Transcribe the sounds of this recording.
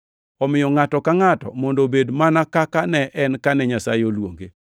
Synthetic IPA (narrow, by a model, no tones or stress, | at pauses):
ɔmɪjɔŋatɔkaŋatɔ̰mɔndobedmanakakanɛʔɛnkanɛɲasajeolwo̰ŋɡe